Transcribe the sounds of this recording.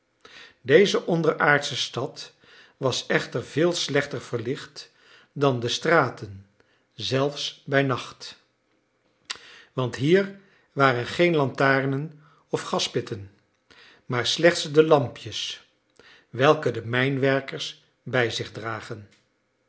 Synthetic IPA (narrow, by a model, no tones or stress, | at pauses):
dejzəʔɔndəɹʔaːɹtsəstɑt | ʋɑsɛχtəɹvɪːlˠslɛχtəɹv̥əɹlɪχt | dɑndəstraːtən | zɛlˠfsbɛjnɑχt | ʋɑntɦiːɹ | ʋaːrənχejnlɑntaːɹnən | ɔfχɑspɪtən | maːɹslɛχtsdəlɑmpjəs | ʋɛlˠkədəmɛjnʋɛɹkəɹs | bɛjzɪχdraːχən